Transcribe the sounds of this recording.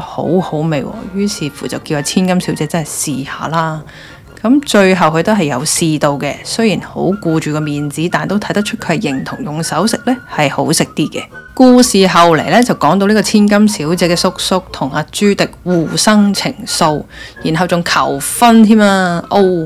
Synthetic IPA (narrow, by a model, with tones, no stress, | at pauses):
ho̰˨˥who˨˥wme˨˧jwɔ̰ː˧˩jyː˥siː˨fuː˨˩t͡sɐ˨wkiː˧waː˧t͡sʰiː˥nkɐ˥msi˨˥wt͡sɛː˧t͡sɐ˥nhɐ˨˩jsiː˨haː˨laː˥ | kɐ˨˥mt͡ʃɵ˧ɥɦɐ˨wkʰɵ˧t̪o˥wɦɐ˨jɐ˨˧wsiː˧t̪o˧wkɛ˧sɵ˥ɥjiː˨˩nho̰˨˥wkuː˧t͡ʃyː˨˩kɔː˧miː˨nt͡siː˨˥t̪aː˨nt̪o˥wt̪ʰɐ˨˥jt̪ɐ˥t͡ʃʰɵ˥t̚kʰɵ˧˥hɛ˨jɪ˨˩ŋt̪ʰʊ˨˩ŋjʊ˨˩ŋsɐ˨˥wsɪ˨k̚lɛ˥hɐ˨jho˨˥wsɪ˨k̚t̪iː˥kɛ̰ː˧kuː˧siː˨ɦɐ˨wle˨˩jlɛː˥t͡sɐ˨wkɔː˨˥ŋt̪o˧wli˥kɔː˧t͡sʰiː˥nkɐ˥msiː˨˥wt͡sɛː˨˥kɛː˧sʊ˥k̚sʊ˥k̚t̪ʰʊ˨˩ŋaː˧t͡ʃyː˥t̪ɪ˨k̚wuː˨˩sɐ˥ŋt͡sʰɪ̰˨˩ŋso˧wjiː˨˩nɦɐ˨wt͡sʊ˨ŋkʰɐ̰˨˩wfɐ˥nt̪ʰiː˥maː˧ʔo˧w